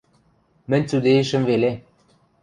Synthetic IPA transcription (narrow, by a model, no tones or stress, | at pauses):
mɘ̆nʲt͡sud̪eĕʃɘ̆mvele